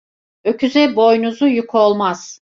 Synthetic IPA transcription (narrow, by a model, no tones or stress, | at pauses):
øcʰyzɛbo̞jnuzujukʰolˠmaz̥